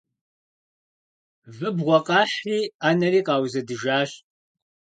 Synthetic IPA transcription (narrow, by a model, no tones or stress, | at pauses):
vɨbʁʷɔqʼɑːħriːaːnɐriːqɑːwzɐdɨʒaːɕ